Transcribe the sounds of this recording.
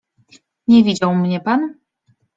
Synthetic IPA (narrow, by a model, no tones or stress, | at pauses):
ɲɛvʲid͡ʑawmɲɛpan